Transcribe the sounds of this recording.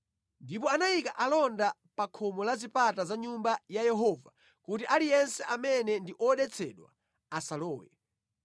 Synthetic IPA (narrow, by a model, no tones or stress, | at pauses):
ndipɔanajikaʔalɔnda | pakʰɔmɔlazipatazaɲumbajajɛɦɔva | kutiʔalijɛnsɛʔamɛnɛndiʔɔɗɛt͡sʰɛɗwa̰ | asalɔːwɛ̰